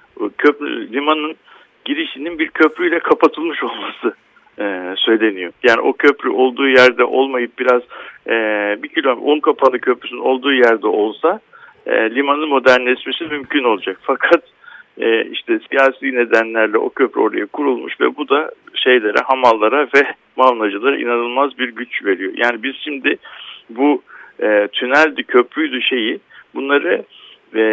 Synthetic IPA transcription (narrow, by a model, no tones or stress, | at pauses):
cʰøpɾy̰lʲimanɯn | ɟiɾiʃininbiɾcʰøpɾyjlʲɛkʰapʰat̪ʰɯlˠmɯʃo̞lˠmasɯ | ɯsø̞jlʲe̞nijo̞jaːnḭʔo̞cʰø̞pɾyʔo̞lˠd̪uːjæɾd̪ɛʔo̞lˠmajɯp̚biɾaz̥ | bicʰylʲoʔonkʰapʰanˠɯcʰø̞pɾysno̞lˠd̪uːjæɾd̪ɛʔo̞lˠsa | lʲimanɯnmo̞d̪æɾnɛsmesimymcʰyno̞lˠad͡ʒakfakʰat̪ | ɛḭʃt̪ʰɛsijaːsiːne̞d̪ænlʲæɾlʲɛʔo̞̰cʰø̞pɾɛ̰o̞ɾa̰jakʰuɾulˠmṵʃvɛ̰bud̪aʃe̞jlʲe̞ɾɛ̰ɦamalˠːaɾavɛ | mavnˠad͡ʒɯlˠaɾa̰ʔḭnanɯlˠmazbiɾɟyt͡ʃve̞ɾijo̞̰jʔa̰ːnibiz̥ʃimd̪ɪbuɛt̪ʰynælʲd̪ycʰø̞pɾyjd̪uʃe̞jibunlˠaɾɯ | ɛ